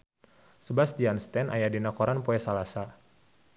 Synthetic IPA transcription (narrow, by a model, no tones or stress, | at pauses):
səbasdianst̪ɛnʔa̰jadinakɔɾanpoɛsalasa